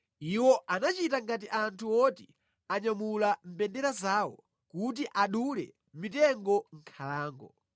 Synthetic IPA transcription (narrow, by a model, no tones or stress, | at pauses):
iwɔʔanat͡ʃitaŋɡat̬iʔantʰuwɔti | aɲamulam̩pɛndɛɾazaːwɔ̰ | kut̬iʔaɗulɛ̰ | mitɛŋɡɔŋ̩kʰalaːŋɡɔ